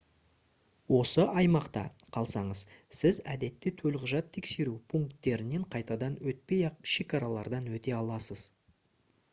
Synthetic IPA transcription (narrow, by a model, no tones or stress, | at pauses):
wo̞səʔɑjmɑqt̪ɑ̰ | qʰɑlˠsɑɴəzsɪzæd̪e̞t̪ːɪt̪ʰɵlʁəʒɑt̪ʰːe̞kse̞ɾupʰuŋkt̪ːe̞ɾɪne̞ɴqʰɑjt̪ɑd̪ɑnwɵt̪̚pe̞jɑʃe̞kɑɾɑlˠɑɾd̪ɑnwɵt̪e̞ɑlˠɑsəz̥